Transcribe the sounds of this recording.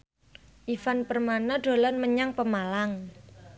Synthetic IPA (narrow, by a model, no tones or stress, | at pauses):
ʔifanpərmanaɖ̥o̤lanməɲaŋpəmalaŋ